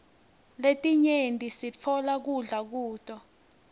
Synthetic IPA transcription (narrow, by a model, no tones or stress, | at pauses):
letʼiɲentʼisit͡fʰɔlak̬uɮak̬uːtʼɔ